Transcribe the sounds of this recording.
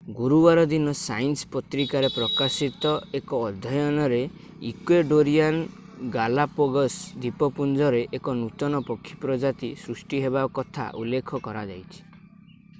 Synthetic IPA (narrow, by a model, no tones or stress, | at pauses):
ɡuɾubaɾɔd̪inɔsajnspɔt̪ɾikaɾepɾɔkasit̪ɔekɔːd̪ʱːɔjɔnɔɾe | ikweɖoɾijan | ɡalapɔɡɔsd̪ipɔpund͡ʒɔɾeʔekɔnut̪ɔnɔpɔkʰːi̥pɾɔd͡ʒat̪isɾusʈiɦeβakɔt̪ʰa̰ʔulːekʰɔkɔɾad͡ʒa̰jt͡ʃʰi̥